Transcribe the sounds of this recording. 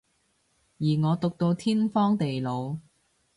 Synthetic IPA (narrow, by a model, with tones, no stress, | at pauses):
jiː˨˩ŋɔː˨˧t̪ʊ˨k̚t̪o˧wt̪ʰiː˥nfɔː˥ŋt̪e˨jlo˨˧w